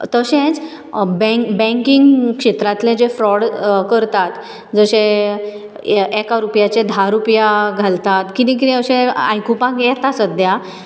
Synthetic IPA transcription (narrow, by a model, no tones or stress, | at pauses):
t̪əɕẽt͡s | bɛ̃bɛ̃ŋkiŋɡkʂet̪ɾat̪lẽd͡ʑefɾɔɽkəɾt̪at̪ | d͡zəɕẽ | ɛkaɾupjat͡ɕed̪ʱaɾupjaɡʱalt̪at̪kinĩk̬it̪ĩəɕẽa̰jkupãkjɛt̪asəd̪ja